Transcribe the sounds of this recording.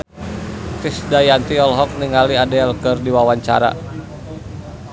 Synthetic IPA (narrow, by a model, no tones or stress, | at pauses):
t̪ɾisdajant̪iɔlɦɔk̚niŋaliadɛlkɨrdiwawaɲt͡ʃa̰ɾa̰